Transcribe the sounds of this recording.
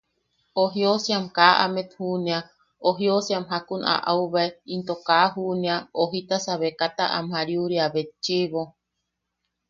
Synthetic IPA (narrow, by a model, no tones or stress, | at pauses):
oɦiosiamkaʔa̰met̪hunia | oɦiosiamɦakuna̰ʔauβaeint̪okaːɦuniaoɦit̪asaβekat̪aʔa̰mhaɾiuɾiaβet̪̚t͡ʃiβo